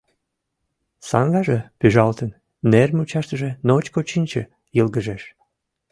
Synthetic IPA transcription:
sɑ̰ŋɡɑʒepyʒɑlt̪ən | nermʲut͡ɕɑʃt̪əʒenot͡ɕkot͡ɕinʲt͡ɕə̰ | jəlɣəʒeʃ

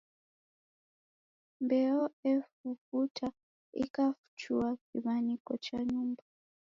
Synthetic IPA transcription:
mbɛɔɛfufutʰa | ḭkafu̥t͡ʃuwakiβanikɔt͡ʃaɲumba

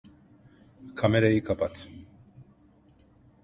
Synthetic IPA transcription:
kʰamɛɾajikʰapat̪ʰ

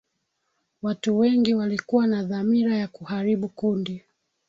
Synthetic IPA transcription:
watuwɛŋɡiwalikuwanaðamiɾajakuhaɾiɓukundi

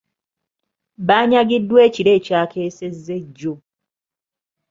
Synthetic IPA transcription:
βaːɲaɡidːwe̞ːciɾe̞ːcaːkʰe̞ːse̞zːeɟːo

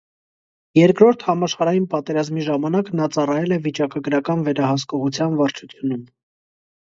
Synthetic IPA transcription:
jɛɾkɾɔɾt̪ʰhɑmɑʃχɑɾɑjinpɑt̪ɛɾɑzmiʒɑmɑnɑknɑt͡sɑrɑjɛlɛvit͡ʃɑkɑɡəɾɑkɑnvɛɾɑhɑskɔʁut͡sʰjɑnvɑɾt͡ʃʰut͡sʰjunum

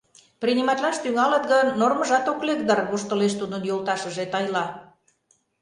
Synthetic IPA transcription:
prʲinʲimɑt̪lɑʃt̪yŋɑlət̪̚ɣə̆nːorməʒɑt̪oklek̚d̪ərɣoʃt̪ə̆leʃt̪ud̪ənjolt̪ɑʃə̆ʒet̪ɑjlɑ

